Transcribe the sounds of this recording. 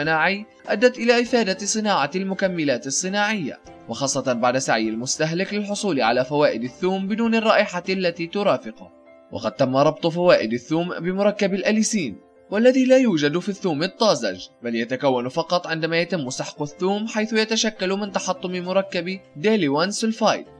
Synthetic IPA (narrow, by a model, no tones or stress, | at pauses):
naːʕɪj | ʔad̪ːat̪ʔɪlaːʔɪfaːd̪asˤɨnaːʕɑlmʊkamːɪlaːt̪ɨsˤːɨnaːʕɪjːa̰ | wɑxɑːsˤːɑt̪baʕd̪asaʕjːalmʊst̪aɦlɪklɪlħʊsˤuːlɪʕalaːfawaːʔɪd̪aθːuːmbɪduːnɪrˤːɑːʔɪħaalːat̪iːt̪ʊɾɑːfɪqʊ | wʔɑ̰qɑd̪̚t̪amːaɾˤɑb̚t̪ˤfawaːʔɪd̪aθːuːmbɪmʊɾˤɑkːabalʔalisiːn | walːaðiːlaːjuːd͡ʒad̪fiθːuːmɪt̪ˤːɑːza̰d͡ʒbaljat̪akawːanfɑqɑt̪ˤʕɪnd̪amaːjat̪ɪmːʊsɪħqʊθːuːmħajθʊjat̪aʃakːalmɪnt̪ɑħɑt̪ˤːʊmɪmʊɾˤɑkːabd̪elɪwansɪlfajd̪